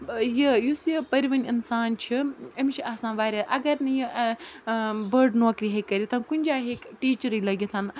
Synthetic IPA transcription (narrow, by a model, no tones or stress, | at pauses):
jijusjipɐɾiʋɐnʲinsaːnt͡ʃʰiɐmt͡ʃʰiaːsãːʋaːɾʲeʔɐɡɐɾnɨji | bɐɾɖnoːkɾiɦekːɐɾit̪ʰɐkunʲd͡ʒaːɦekʈiːt͡ʃɐɾiːlɐɡit̪ʰɐn